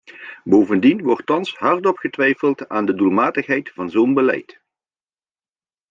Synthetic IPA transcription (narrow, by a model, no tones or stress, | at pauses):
boːwvəndinʋɔrtːɑnsɦɑrtɔpχətʋɛjfəlˠtaːndədulˠmaːtəχɦɛjtfɑnzownbəlɛ̰jt